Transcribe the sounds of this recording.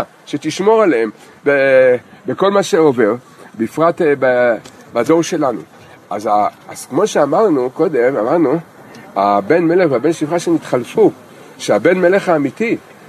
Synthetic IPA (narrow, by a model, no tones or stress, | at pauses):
a | ʃet̪iʃmo̞ʁaleem | bebeko̞lmaʃeo̞ve̞ʁ | beifʁat̪babado̞ʁʃe̞lanṵ | ʔazaaz̥kmo̞ʃeamaʁnuko̞d̪e̞mamaʁnu | habe̞nme̞leχveabenʃifχaʃenit̪χalfu | ʃeabe̞nme̞leχaːmit̪i